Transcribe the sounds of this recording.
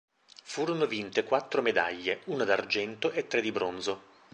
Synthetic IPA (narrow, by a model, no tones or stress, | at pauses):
fuːɾonovint̪ekwat̪ːɾomed̪a̰ʎːeuːnad̪ard͡ʒɛnt̪oʔet̪ːɾed̪ibɾonzo